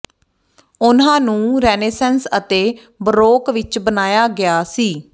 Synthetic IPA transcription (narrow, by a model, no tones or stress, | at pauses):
ʊnãːnũːɾɛːneːsɛnsət̪eː | bɾoːkʋɪt͡ʃbənaːjaːɡɪjaːsiː